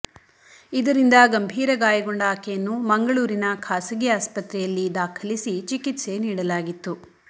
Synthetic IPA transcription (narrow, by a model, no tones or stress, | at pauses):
id̪ɐɾind̪ɐɡɐmbʱiːɾɐɡaːjɐɡoɳɖaːkɛjɐnːumɐŋɡɐɭuːɾinɐkʰaːsɐɡiaːspɐt̪ɾɛjɐlːid̪aːkʰɐlisit͡ʃikit̪se̞niːɽɐlaːɡit̪ːu